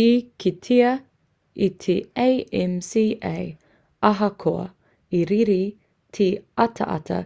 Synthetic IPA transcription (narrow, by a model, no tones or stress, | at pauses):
ikʰit̪ʰiɐ | it̪ʰiejɛmsiːʔej | ɐɦɐkʰoɐ̰ | iɾiɾi | t̪ʰiɐt̪ʰɐ̰ʔɐ̰t̪ʰɐ̰